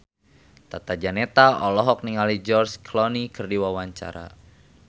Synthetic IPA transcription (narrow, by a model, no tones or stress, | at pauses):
t̪at̪ad͡ʒanɛt̪aʔɔlɔɦɔk̚niŋalid͡ʒɔrskʰlɔnikɨrdiwawaɲt͡ʃa̰ɾa̰